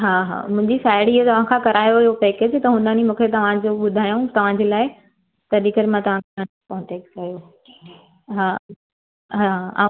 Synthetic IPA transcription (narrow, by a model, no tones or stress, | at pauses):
ɦaːɦa̰mʊ̃ɦɪ̃ɲd͡ʑisaːɪɽiiɦət̪ɐʋ̤ãkʰãkɐɾaːjoiɦopeːked͡ʑt̪ɐɦʊnənimũːkʰet̪ɐʋ̤ãd͡ʑoɓʊd̪ʱaːjũt̪ɐʋ̤ãd͡ʑeːlaːɪ | t̪ɐɾiːkət̪mãt̪ɐʋ̤ãkaə | pɔɦʊ̃t͡ɕekskɐjo | ɦaː | ɦaa